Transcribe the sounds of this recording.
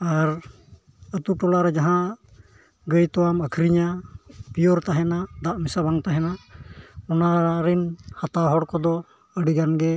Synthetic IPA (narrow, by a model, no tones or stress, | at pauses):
aɾ | ət̪uʈɔlaɾɛd͡ʒaɦã | ɡəjt̪ɔwaməkʰɾiɲapijɔɾt̪aɦɛnad̪aʔmisabaŋt̪aɦɛna | ɔnaɾinhat̪aɦɔɽkɔd̪ɔ | əɽiɡanɡɛ